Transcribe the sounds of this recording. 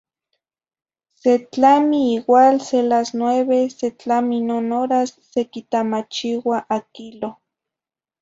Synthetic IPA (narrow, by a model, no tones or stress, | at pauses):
set͡ɬamiiwaːlselasnweβeset͡ɬaminonoɾasːekit̪amat͡ʃiwaʔakilo